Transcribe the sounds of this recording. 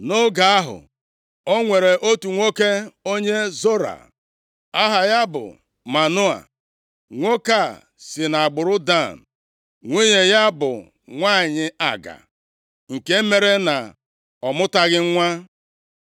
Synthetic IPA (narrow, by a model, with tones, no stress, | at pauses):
no˦ɡa˨a˦ɦʊ̰˨ | o˦ŋʷe˨ɾe˨ʔo˦tu˨ŋʷo˦ke˦o˦ɲe˦zo˦ɾa̰˨ | a˦ɦa˨ja˦bʊ̰˨ | ma˨nʊ˦a̰˨ | ŋʷo˦ka˦˨ | sɪ˨na˨a˨ɡ͡bʊ˨ɾʊ˦da˦˨n̩˨ | ŋʷe˦ɲe˨ja˦bʊ̰˨ | ŋʷa˦˨ɲɪ˦a˨ɡa̰˨ | ŋ̩˨ke˦me˦ɾe˦na˨ | ɔ˨mʊ˦ta˦ɣɪ˦ŋ̩˦ŋʷa˦